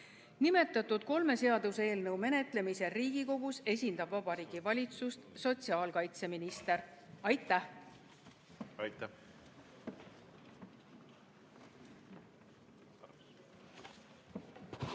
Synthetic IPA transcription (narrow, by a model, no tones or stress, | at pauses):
nime̞t̪ːˑɑt̪ːud̪̥ko̞lme̞se̞ɑd̪useːlnɤwme̞ne̞t̪le̞mise̞riːɡ̥iko̞ɡ̥use̞sʲind̪ɑbvɑbɑɾiːɡ̥ivɑlʲit̪sust̪so̞t̪ʲsiɑːlkɑjt̪se̞minist̪e̞ɾɑjt̪ːˑæh | ɑt̪æ